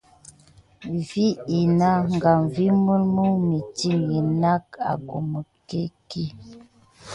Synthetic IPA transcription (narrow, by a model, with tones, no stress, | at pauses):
vi˦i˨na˦ŋ˨ɡa˨ɱvi˦mə˦lmə˦mi˨ti˦˨ŋi˨na˦ka̰˨ɡo˨mə˨ke˦ki˦